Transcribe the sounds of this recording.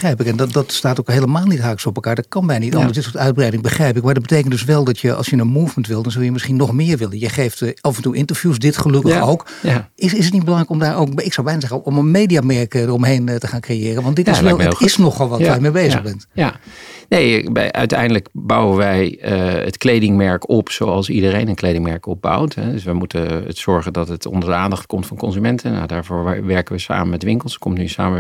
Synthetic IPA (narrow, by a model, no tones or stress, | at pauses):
ərɛjpɪkɛnddɑtstaːtowkɦejləmaːlˠnitɦaːkəsɔpɛlˠkaːɹdɑt̚kɑnbɛjnənitɑndəsdɪtsoːɹtœɥd̚brɛjdɪŋbəχrɛjpɪkmaɹdɑd̚bətejk̬əntdɵsʋɛlˠdɔtjəʔɑ̰lˠsjənənmuːvməntʋɪlˠdɔnzœlˠjəmɪsχinːɔχmɪːɹʋɪlənjəχejftɑfɛntuʔɪntəɹvjusdɪtχəlɵkəxowk | ɪsɪs̬ətnitbəlɑŋrɛjkɔmdaːɹowkɪksɑwbɛjnazɛxənɔmənmejdiamɛɹkdərɔmɦejntəχaːnkrejɪːrənʋɑntdɪtɪsɛlˠəɪsnɔχʋɔlˠʋɔtʋajmebejzəxbɛnt | nejbɛ̰ʔœ̰ɥtɛ̰jndələkbʌwənʋɛjəə̰tklejdɪŋmɛɹkɔpsowɑlˠsidərejnənklejdɪŋmɛɹkɔb̚ba̰wtɦɛdøsʋəmutəə̰sɔɹχəndɑtətɔ̰ndəɹdəaːndɑχtkɔmtfɑnkɔnzymɛntʰəna̰daːɹvoːɹʋɛɹkəʋəsa̰ːməmɛtʋɪŋkəlˠskɔmtnysa̰ːmə